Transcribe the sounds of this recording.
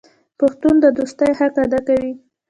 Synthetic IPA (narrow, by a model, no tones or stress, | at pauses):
paxt̪und̪əd̪ust̪əjhakad̪akawi